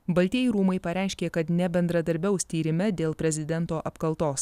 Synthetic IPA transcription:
bɐlʲt̪ʲiːɪɾuːmɐɪpɐɾʲæˑɪʃʲkʲeːkɐt̪nʲɛbʲɛnd̪ɾɐd̪ɐɾʲbʲɛʊsʲt̪ʲiːɾʲɪmʲɛd̪ʲeːlˠpʲɾʲɛzʲɪd̪ʲɛnt̪oːʔɐpkɐlˠt̪oːs

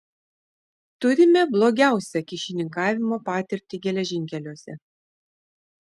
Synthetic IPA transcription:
t̪ʊɾʲɪmʲɛblˠoːɡʲæˑʊsʲɛkʲɪʃʲɪnʲɪŋkɑːʋʲɪmoːpɑːt̪ʲɪɾʲt̪ʲiɡʲɛlʲɛʒʲɪŋʲkʲɛlʲoːsʲɛ

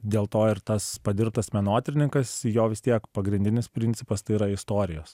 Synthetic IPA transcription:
d̪ʲeːlˠt̪oːɪɾt̪ɐspɐd̪ʲɪɾp̚t̪ɐsmʲɛnoːt̪ʲɾʲɪnʲɪŋkɐsjoːʋʲɪst̪ʲiɛkpɐɡɾʲɪnʲd̪ʲɪnʲɪspʲɾʲɪnʲtsʲɪpɐst̪ɐɪiːɾɐɪst̪oːɾʲɪjoːs

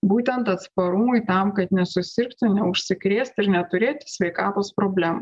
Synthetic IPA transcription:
buːt̪ʲɛnt̪ɐt̪spɐɾʊmʊɪt̪ɐˑmkɐt̪nʲɛsʊsʲɪɾkt̪ʊnʲɛʊʃʲsʲɪkɾʲeːsʲt̪ʲɪɾnʲɛt̪ʊɾʲeːt̪ʲsʲʋʲɛɪkɑːt̪oːspɾoːbʲlʲæːmu

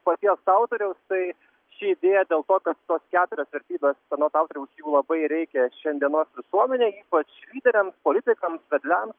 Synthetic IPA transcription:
pɐt̪ʲiɛsɑʊt̪oɾʲɛʊst̪ɐɪ | ʃʲiɪd̪ʲeːjɛd̪ʲeːlˠt̪oːkɐt̪t̪oːskʲæːt̪ʊɾʲoːsʋʲɛɾʲt̪ʲiːbʲeːst̪ʲɛnoːt̪ɑʊt̪oɾʲɛʊsjuːlˠɐbɐɪɾʲɛɪkʲɛʃʲɛnʲd̪ʲiɛnoːsʋʲɪsuɔmʲɛnʲeːiːpɐt͡ʃlʲiːd̪ʲɛɾʲɛmspolʲɪt̪ʲɪkɐmsʋʲɛd̪ʲlʲɛms

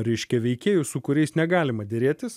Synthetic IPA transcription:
ɾʲɛɪʃʲkʲɛʋʲɛɪkʲeːjʊsʊkʊɾʲɛɪsnʲɛɡɑːlʲɪmɐd̪ʲɪɾʲeːt̪ʲɪs

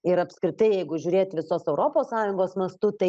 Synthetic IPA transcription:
ɪɾɐpskɾʲɪt̪ɐɪjɛɪɡʊʒʲuːɾʲeːt̪ʋʲɪsoːsɛʊɾoːpoːssɑːjʊŋɡoːsmɐst̪ʊt̪ɐɪ

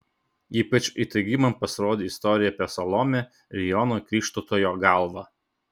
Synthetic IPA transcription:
iːpɐt͡ʃʲit̪ɐɪɡʲimɐmpɐsʲɪɾoːd̪ʲeɪst̪ɔɾʲɪjɛːpʲɛsɐlˠɔmʲɛ | ɾʲɛjɔnoːkʲɾʲiːʃt̪ot̪oːjoːɡɑˑlˠʋɑ

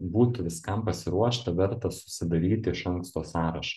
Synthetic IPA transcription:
buːt̪ʊʋʲɪskɐmpɐsʲɪɾuɔʃt̪ɐʋʲɛɾt̪ɐsʊ̥sʲɪd̪ɐɾʲiːt̪ʲɪɪʃɐŋkst̪oːsɑːɾɐʃɐ̥

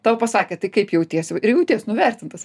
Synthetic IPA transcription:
t̪ɑːʋopɐsɑːkʲeɛt̪ɐɪkɐɪpjɛʊt̪ʲiɛsjɛʊɪrjɛʊt̪ʲiɛsnʊʋʲærʲt̪ʲɪnt̪ɐs

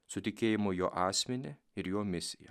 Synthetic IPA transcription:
sʊt̪ʲɪkʲeːjɪmojoːʔɑːsʲmʲɛnʲɛ | ɪɾjoːmʲɪsʲɪjɛ̰

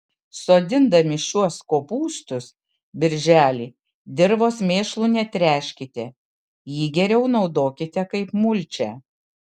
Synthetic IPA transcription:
soːd̪ʲɪnd̪ɐmʲɪʃʲuɔskoːpuːst̪ʊs | bʲɪɾʲʒʲæːlʲiː | d̪ʲɪɾʋoːsmʲeːʃlˠuːnʲɛt̪ʲɾʲæːʃʲkʲɪt̪ʲɛ | jiːɡʲɛɾʲɛʊnɒʊd̪oːkʲɪt̪ʲɛkɐɪpmʊlʲt͡ʃʲɛ

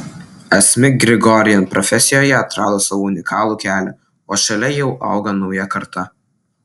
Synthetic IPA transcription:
ɛsʲmʲɪɡɾʲɪɡɔɾʲɪjɛnpɾɔfʲɛsʲɪjoːjɛɐt̪ɾɑːd̪oːsɐʋoʊnʲɪkʰɑːlˠuːkʲæːlʲɛ | oːʃɐlʲɛjɛʊʔɐ̰ˑʊɡɐnɒʊjɛkɐɾt̪ɐ

